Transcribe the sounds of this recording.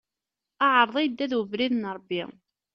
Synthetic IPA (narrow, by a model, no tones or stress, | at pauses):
aʕəɾˤðˤæjd̪ːæðwəvɾiðnɾˤbːḭ